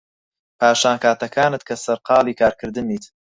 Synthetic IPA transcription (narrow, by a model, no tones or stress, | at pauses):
pʰaːʃaːnkʰaːt̪ɐkʰaːnɨt̪̚kʰɐsɐɾqɑːliːkʰaːɾkʰɨɾd̪ɨmiːt̪